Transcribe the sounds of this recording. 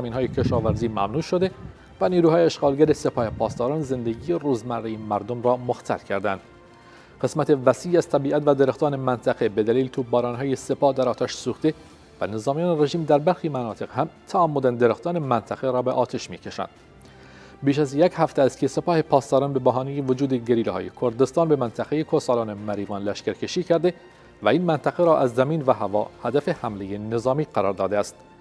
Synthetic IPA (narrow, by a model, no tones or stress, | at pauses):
zæmiːnɦːjecʰeʃɒːvæɾziːmæ̰mnuːʃod̪e | væniːɾuːhɒːjeeʃɡɑːlɡæɾese̞pʰɒːhepʰɒːst̪ɒːɾɑːnze̞nd̪eɡijeruːzmærːejemæɾd̪omɾɒːmoxt̪ʰæ̰lcʰæɾd̪ænd̪̥ | ɢe̞smæt̪ʰevæsiːæz̥t̪ʰæbiːʔæt̪væd̪eɾext̪ʰɒːnemænt̪ʰæɣebe̞d̪æliːlt̪ʰuːbɒːɾɒːnɦɒːjese̞pɒːhd̪æɾɒːt̪ʰæʃsuːxt̪e | væne̞zɒːmijɒːneɾe̞ʒiːmd̪æɾbæɾxiːmænɒːt̪ʰe̞ɣhæmt̪ʰææmːod̪ænd̪eɾext̪ɒːnemænt̪ʰæɣeɾɒːbeʔɒːt̪ʰeʃmiːcʰeʃæ̰nd̪̥ | biːʃæzjekhæft̪eæst̪̚kʰʲesepɒːhe̞pʰɒːst̪ɒːɾɑːnbebæɦɒːnijevod͡ʒuːd̪eɡeɾiːlehɒ̰ːjḛkʰoɾd̪est̪ɑːnbemænt̪ʰæʁejekʰoɾsɑːlɑːnemæɾiːvɒːnlæʃcæɾcʰeʃiːcʰæɾd̪e | væiːnmænt̪ʰæɣeɾɒːʔæzːæmiːnvæɦævɒ̰ːhæd̪æfehæmlejene̞zɒːmiːɢæɾɒːɾd̪ɒːd̪eæst̪